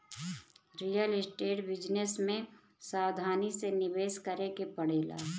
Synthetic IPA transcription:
ɾijəlɪsʈeːʈbɪd͡ʒnesmẽ | saːd̪ʱaːnisenɪbeːskəɾekepəɽ̤eːla̰ː

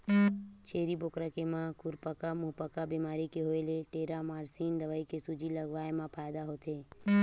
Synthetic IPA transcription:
t͡ʃʰeːɾiboːkɾəkemãkʊɾpəkamʊɦpəkabiːmaːɾikeɦoeleʈeːɾamaːɾsiːnd̪əʋaikesʊd͡ʒʱiləɡʋaːemãpʰaːjd̪aɦoːt̪ʰeː

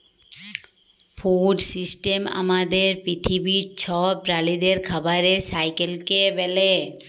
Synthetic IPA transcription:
fuɖsisʈema̰mad̪eɾpɾit̪ʰibiɾt͡ɕʰɔbɾalid̪eɾkʰabaɾesajkelkebɛle

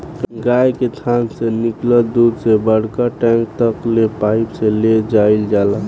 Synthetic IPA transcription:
ɡajket̪ʰansenɪkləd̪ud̪sebəɽ̤kaʈɛ̃ŋk̚t̪əklepaɪpseled͡ʒaild͡ʒaːla

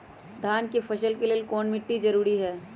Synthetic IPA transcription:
d̪ʱaːnkefɐʃəlkeleːlkɔːnmɪʈːizɐɾuːɾiɦɛː

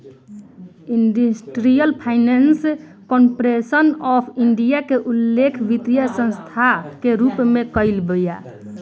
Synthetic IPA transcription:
inɖisʈɾijəlpʰaɪnens | kɔmpɾesənɔpʰiɳɖijakeʔulːekʰbit̪ijasə̃nst̪ʰakeɾupmẽkəɪlbəja

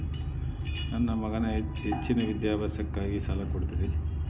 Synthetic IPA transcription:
nɐnːɐmɐɡɐnɐɦet͡ʃːinɐʋid̪jaːbɐsɐkːaːɡisɐlɐkoɽt̪id̪i

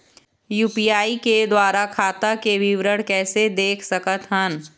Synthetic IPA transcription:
juːpijaːiked̪waːɾakʰaːt̪akeʋɪʋɾəɽkɛːsed̪eːkʰsɐkət̪ɦən

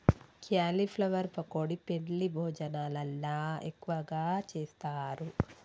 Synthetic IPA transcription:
kʰjaːlipʰlɐʋɐɾpɐkoːɽipe̞nlibʱoːd͡ʒɐnaːlɐlːaːekːuʋɐɡaːt͡ʃeːst̪aːɾu

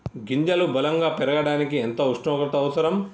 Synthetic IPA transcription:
ɡiɲd͡ʒɐlubɐlɐŋɡaːpɛɾɐɡɐɽaːnikient̪ɐuʂʈɐːkɐt̪ɐɐʋɐsɐɾɐm

